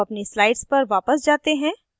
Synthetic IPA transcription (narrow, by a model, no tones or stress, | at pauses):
ɐpnislaːɪɖspɐɾʋaːpəsd͡ʒaːt̪eɦɛ̃ː